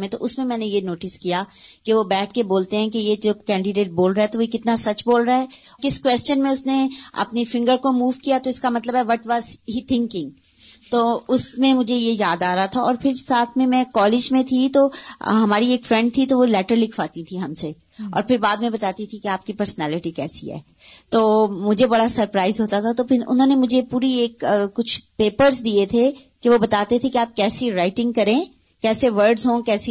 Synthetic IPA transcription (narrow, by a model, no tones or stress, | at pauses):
mẽt̪oʔʊsmẽmɛ̃ːnejenoːʈɪskijakeʋobɛːʈʰkeboːlt̪eɦɛ̃kejed͡ʒoːkɛ̃ːɳɖɪɖeːʈ̚boːlɾaɦɛt̪oʋikɪt̪nasɐt͡ʃboːlɾaɦɛːkɪskʋɛːst͡ʃənmẽʊsneɐ̰pnifɪ̃ŋɡəɾkomuːʋkijat̪oɪskamɐt̪ləbɦɛʋɔʈʋaːzɦit̪ʰɪ̃ŋkɪ̃ŋɡ | t̪oːʊsmẽmʊd͡ʒʱejejaːd̪aːɾaɦat̪ʰaɔːɾpʰɪɾsaːt̪ʰmẽmɛ̃kɔːlɪd͡ʒmẽt̪ʰit̪oːɦɐmaːɾieːkfɾɛ̃ɳɖ̚t̪ʰit̪oʋolɛːʈəɾlɪkʰʋaːt̪ĩt̪ʰiɦɐmse | ɔ̰ːɾpʰɪɾbaːd̪mẽbɐt̪aːt̪it̪ʰikeaːp̚kipɐɾsnɛːlɪʈikɛ̰ːsḭɦɛ̰ː | t̪oːmʊd͡ʒʱebɐɽasɐɾpɾaːɪzɦoːt̪at̪ʰat̪opʰɪɾʊ̰nɦõːnemʊd͡ʒʱepuːɾieːkːʊt͡ʃʰpeːpəɾzd̪iet̪ʰekeʋobɐt̪aːt̪et̪ʰekeaːp̚kɛːsiɾaːɪʈɪ̃ŋɡ̚kɐɾẽː | kɛːseʋəɾɖzɦõkɛːsi